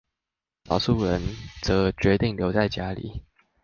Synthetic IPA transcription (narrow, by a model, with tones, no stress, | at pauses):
lɑ̰˨˩ʊsu˥˩ɻə˧˦nt͡sɤ˧˥t͡ɕɥɛ˧˥t̪i˥˨˩ŋljo˧˥ʊt͡sa˥˩ɪt͡ɕja˥lḭ˨˩˦